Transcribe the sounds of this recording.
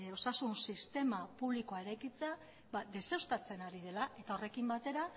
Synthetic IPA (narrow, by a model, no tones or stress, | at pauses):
o̞sasunsist̪e̞mapuβlikoaeɾe̞jkit͡sea | bad̪e̞sewst̪at͡se̞naɾiðe̞laʔe̞t̪ao̞re̞kimbat̪e̞ɾa